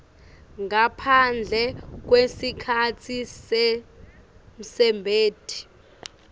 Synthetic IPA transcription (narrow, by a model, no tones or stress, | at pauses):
ŋapʰand͡ɮʱɛk̬wesikʰat͡sʰisɛ | m̩sɛmbʱeːd̥ʱi̥